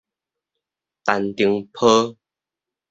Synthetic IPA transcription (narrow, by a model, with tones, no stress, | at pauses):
t̪a˨nt̪i˧əŋpʰə˦